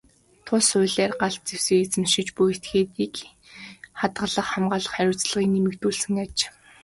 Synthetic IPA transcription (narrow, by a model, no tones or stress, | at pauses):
t̪ʰʊsʊːɮæːrɢaɮt̪̚t͡sewseːit͡sɘ̆mʃĭt͡ɕpuet̪ɡeːt̪iːk | χat̪ɢə̆ɮə̆χχamɢaːɮə̆χæɾʲʊːt͡sɮə̆ʁiːknemɘ̆kt̪uːɮsɘ̆ŋat͡ɕ